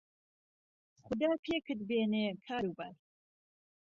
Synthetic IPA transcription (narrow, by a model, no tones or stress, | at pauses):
χʊd̪aːpʰeːkʰɨd̪beːneːkʰaːɾuːbɐɾ